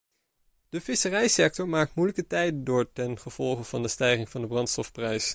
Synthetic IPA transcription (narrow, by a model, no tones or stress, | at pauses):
d̥əvɪsərɛjsɛk̚tɔɹmaːk̚tmujləkətɛjdəndʊːɹtɛnχəv̥ɔlˠχəv̥ɑndəstɛjχɪŋvɑndəbrɑntstɔfprɛjs